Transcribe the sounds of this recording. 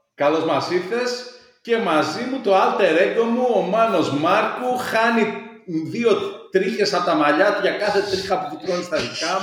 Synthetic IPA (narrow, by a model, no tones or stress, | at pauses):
kɐlo̞zmɐsiθe̞s | ce̞mɐzimut̪o̞ɐlt̪e̞ɾe̞ɡo̞muomɐno̞zmɐɾkuxɐni | ðio̞t̪ɾiçe̞sɐpot̪ɐmɐʎɐt̪uʝɐkɐθe̞t̪ɾixɐpufut̪ɾonist̪ɐðikɐ